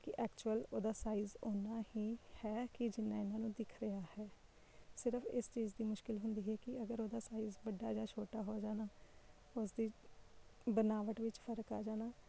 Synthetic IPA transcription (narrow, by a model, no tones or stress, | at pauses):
kɪʔɛːkt͡ʃuəloːd̪aːsaːiːzoːnaːhiːhɛːkɪd͡ʒɪnːaːɪnãːnũːd̪ɪkʰɾəjaːhɛː | sɪɾəpʰɪ̰st͡ʃiːzd̪iːmʊʃkɪlɦʊnd̪iːɦɛːkɪəɡəɾoːd̪aːsaːiːzbəɖːaːd͡ʒaːt͡ʃʰoːʈaːɦoːd͡ʒaːnaː | ʊsd̪iː | bənaːʋəʈʋɪt͡ʃpʰəɾka̰ːd͡ʒaːnaː